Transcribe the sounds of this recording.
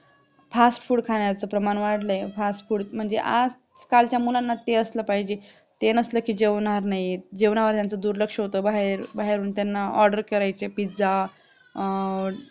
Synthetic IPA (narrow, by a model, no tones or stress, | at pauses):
fasʈfuːɽkʰaɳjat͡səpɾəmanʋaʈləefasʈfuːɽm̤əɳd͡zḛʔa̰d͡z | kalt͡ɕjamulanːat̪eəsləpaɦid͡ʑe | t̪enəsləkiːd͡ʑeʋnaɾnaɦjed͡ʑeʋnaʋəɾt̪jant͡səd̪uːɾləkʂəɦot̪əbaɦeɾbaɦeɾuːnt̪janːaʔɔɾɖəɾkəɾajt͡sepid͡za